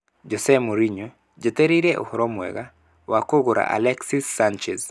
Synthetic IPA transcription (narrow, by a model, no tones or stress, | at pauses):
d͡ʒɔsɛmoɾiɲo | d͡ʒeteɾiɾeʔo̰hɔɾɔmwɛ̰ɡa | wakoɡoɾa̰ʔa̰lɛksisːant͡ʃɛz